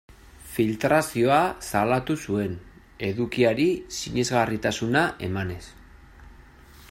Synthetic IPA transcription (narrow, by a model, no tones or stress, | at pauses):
filt̪ɾasio̞asalat̪usue̞n | e̞ðukiaɾisiɲe̞zɣarit̪asunaʔe̞̰mane̞s